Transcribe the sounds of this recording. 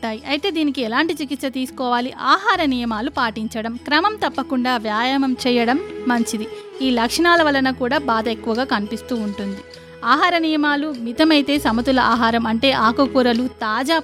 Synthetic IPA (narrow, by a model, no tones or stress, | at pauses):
ʈaːjiʔɐjt̪e̞ːd̪iːnikiɛlaːɳʈit͡ʃikit̪sɐt̪iːsu̥kɔːʋaːliʔaːɦaːɾɐnijɐmaːlupaːʈiɲt͡ʃɐɽɐmkɾɐmɐmt̪ɐpːɐkuɳɖaːʋjaːjamɐmt͡ʃɛːjɐɽɐmːɐɲt͡ʃid̪iiːlɐkʂɐɳaːlɐʋɐlːɐnɐkuːɽaːbaːd̪ɐekːuʋɐɡaːkɐnipist̪uːɳʈund̪i | aːɦaːɾɐnijɐmaːlumit̪ɐmɐjt̪e̞ːsɐmɐt̪ulɐʔaːɦaːɾɐmɐɳʈe̞ːʔaːkɐkuːɾɐlut̪aːd͡ʒaː